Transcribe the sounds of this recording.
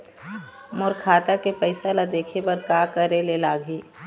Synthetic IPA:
mʊɾkʰaːt̪akepəɪsalad̪eːkʰebɐɾkaːkəɾelelaːɡʱiː

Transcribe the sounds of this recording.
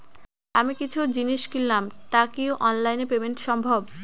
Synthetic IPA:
amikit͡ɕʰud͡ʑiniʃkilːamt̪akewʔɔnlajnepebenʃɔmbʱob

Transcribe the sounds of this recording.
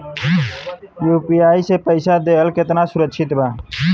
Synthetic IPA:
juːpiːaːiseːpəɪsaːd̪eːɦəlkɪt̪naːsʊɾəkʃʰɪt̪baː

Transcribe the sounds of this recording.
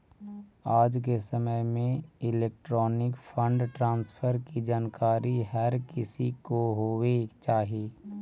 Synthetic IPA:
aːd͡ʒk̬esəməjmẽɪleːk̚ʈɾɔːnɪkpʰə̃ɳɖʈɾãːnspʰəɾkid͡ʒaːnkaːɾiɦəɾkɪsikoɦoːwet͡ʃaːɦieː

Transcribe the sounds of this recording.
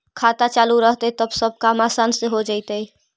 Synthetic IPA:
kʰat̪at͡ʃaluɾəɦt̪ət̪əbsəb̚ʱkamaːsansẽɦod͡ʒaɪt̪ə

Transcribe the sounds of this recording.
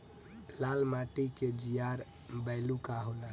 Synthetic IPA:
lalmaʈiked͡ʒijaɾ | bəɪlukaɦola

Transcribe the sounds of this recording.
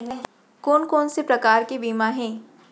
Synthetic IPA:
koːnkoːnsepɾɐkaːɾkebiːmãɦɛ̃ː

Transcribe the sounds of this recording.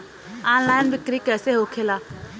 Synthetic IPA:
ãːnlaːɪnʋɪkɾikɛːseɦoːkʰeːlaː

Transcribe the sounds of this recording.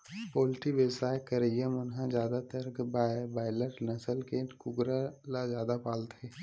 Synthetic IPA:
poːlʈiʋewsaːjkəɾejəmʊnɦãd͡ʒjaːd̪at̪ɐɾkbaːɪləʈnɐsəlkekʊɡɾalazjaːd̪apaːlt̪ɦɛː

